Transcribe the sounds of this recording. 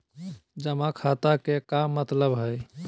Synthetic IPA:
d͡ʒəmãkʰat̪akekamːət̪ləbɦəj

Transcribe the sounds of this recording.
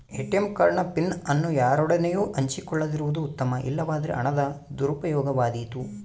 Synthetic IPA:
eʈemkaːɾɐɳɐpinːɐnːujaːɾɔɽɐnejuːʔɐɲt͡ʃikɔɭːɐd̪iɾuʋud̪uːt̪ːɐmɐʔḭlːɐʋaːd̪ɐɾḛʔɐ̰ɳɐd̪ɐd̪uɾupɐjɔːɡɐʋaːd̪iːt̪u

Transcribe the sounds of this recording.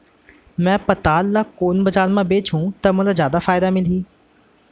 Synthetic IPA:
mɛ̃ːpɐt̪aːlːakoːnbɐd͡ʒaːnmãbeːt͡ʃʰɦũt̪ɐmʊ̃lazjaːd̪afaːjd̪amɪliː

